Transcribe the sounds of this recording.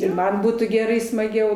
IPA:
ɪr ˈmɐn ˈbuːtuː ɡʲɛˈrɐɪ smɐˈɡʲɛʊ

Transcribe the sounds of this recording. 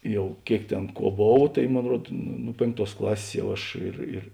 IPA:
ˈjɛʊ ˈkʲeːɪk ˈtʲeːn ˈkuɔ ˈboːw tɐɪ ˈmoːn ˈruɔt nʊ ˈnʊ pʲeːŋkˌtuɔs ˈklˠɑːsʲeːs ˈjɛʊ ˈɐʃ ɪr ɪr

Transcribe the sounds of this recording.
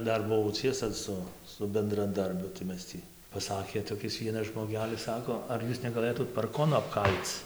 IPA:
ˈdɐr bʊˈʋɐʊ ˈt͡sʲiɛsɐ ˈsʊ sʊ bʲɛndrɐˈdɐrʲbʲʊ tɐɪ ˈmʲɛs tʲiː pɐˈsɑːkʲeː toːˈkʲɪs ˈʋʲiɛnɐs ʒmoːˈɡʲæːlʲɪs ˈsɑːkoː ɐr ˈjuːs nʲɛɡɐˈlˠɘtuːt pɐrˈkoːnʊ ɐpˈkɐlʲt͡s

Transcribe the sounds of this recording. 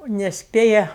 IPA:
nʲɛsʲˈpʲeːjɛ

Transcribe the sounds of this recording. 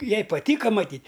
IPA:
ˈjɛɪ pɐˈtʲiːkɐ mɐˈtʲiːtʲ

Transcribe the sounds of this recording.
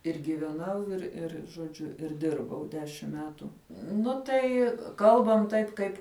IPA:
ɪr ɡʲiːʋʲɛˈnɐʊ ɪr ˈɪr ʒoːˈd͡ʒʲʊ ɪr ˈdʲɪrbɐʊ ˈdʲæːʃʲɪm ˈmʲæːtʊ ˈnʊ tɐɪ ˈkɐlˠbɐm ˈtɐɪp ˈkɐɪp

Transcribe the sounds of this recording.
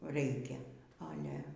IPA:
ˈrʲɛɪkʲɛ ɐˈlʲɛ

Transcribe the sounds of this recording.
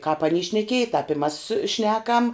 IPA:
kɑːp ɐˈnʲiː ʃʲnʲɛˈkʲiɛjɪ tɑːp ɪ mɐs ˈʃʲnʲæːkɐm

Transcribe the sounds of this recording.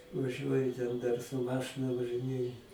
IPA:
ʋɐˈʒʲuɔjʊ tʲɛn dɐr sʊ ˈmɑːʃɨnɐ ʋɐʒɨˈnʲeːjʊ

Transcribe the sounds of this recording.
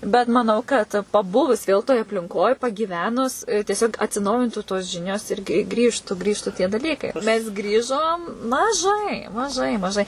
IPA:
bʲɛt mɐˈnɐʊ kɐt pɐˈbʊʋʊs ˈʋʲeːlˠ toːj ɐpʲlʲɪŋˈkoːj pɐɡʲiːˈʋʲæːnʊs tʲiɛˈsʲoːk ɐtʲsʲɪˈnɐʊjɪntuː toːs ˈʒʲɪnʲoːs ɪr ɡʲɪ ˈɡrʲiːʃtʊ ˈɡrʲiːʃtʊ tʲiɛ dɐˈlʲiːkɐɪ mʲɛs ˈɡrʲiːʒoːm mɐˈʒɐɪ mɐˈʒɐɪ mɐˈʒɐɪ

